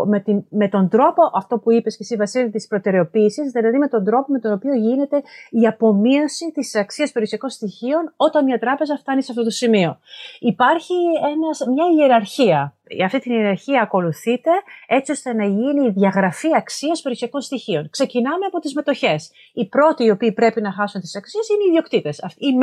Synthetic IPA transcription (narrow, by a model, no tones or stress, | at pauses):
met̪ime̞t̪o̞nd̪ɾo̞po̞ʔɐft̪o̞puipe̞scest̪ivɐsilt̪ispɾo̞t̪e̞ɾe̞o̞piːsizðilɐðime̞t̪o̞nd̪ɾo̞po̞me̞t̪o̞no̞pioʝine̞t̪e̞iɐpo̞mio̞sit̪isɐksiɐspe̞ɾiosiɐko̞nst̪içio̞no̞t̪ɐnmɲɐt̪ɾɐpe̞zɐft̪ɐnisɐft̪o̞t̪̬osimio̞ipɐɾçie̞nɐzmɲɐieɾɐɾçiɐ | ɐft̪it̪inieɾɐɾçiɐːko̞luθit̪e̞e̞t͡sio̞st̪e̞nɐʝiniːðʝɐɣɾɐfiɐksiɐspeɾiosiɐko̞nst̪içio̞nkse̞cinɐmeɐpo̞t̪izme̞t̪o̞çe̞s | ipɾo̞t̪iːo̞piːpɾe̞pinɐxɐsunt̪i̥sɐksiesineiðio̞kt̪it̪e̞sɐfi